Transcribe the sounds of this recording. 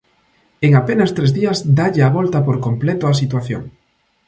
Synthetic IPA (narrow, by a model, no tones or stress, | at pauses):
eŋapenɐst̪ɾezðiɐzd̪aʎeaβɔlt̪ɐpoɾkomplɛt̪oas̬it̪waθjo̰ŋ